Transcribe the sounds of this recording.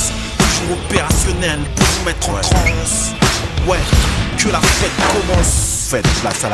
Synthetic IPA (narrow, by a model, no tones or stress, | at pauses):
s | ʒuopeʁasjɔnɛlpuʁvumɛt̪χɔχɔ̃s | wɛklafɛt̪kɔmɑ̃s | fɛt̪lasal